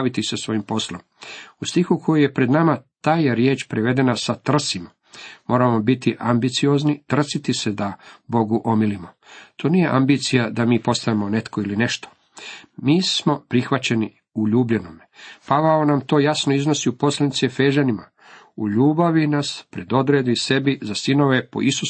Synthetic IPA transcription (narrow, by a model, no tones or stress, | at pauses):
ʋit̪isasʋo̞jimpo̞slomust̪ixukʰo̞juje̞pɾe̞d̪namat̪aːjeɾje̞ːt͡ʃpɾeʋe̞d̪e̞nasat̪r̩sima | mo̞ːɾamo̞bit̪iʔambit̪sijo̞ːznit̪r̩sit̪ised̪abo̞ɡuʔo̞milimo̞ | t̪ʰoːnije̞ʔambiːt̪sijad̪amiːpo̞st̪aʋemo̞ne̞t̪ko̞iline̞ʃt̪o̥ | miːsmo̞pɾixʋat͡ɕe̞ni | uʎuːbʎe̞no̞mepaʋaonamt̪o̞ːjasno̞izno̞siupo̞slanit̪sefeːʒanima | uʎuːbaʋinaspɾe̞d̪o̞d̪ɾeːd̪ise̞bizasino̞ʋe̞po̞̰isus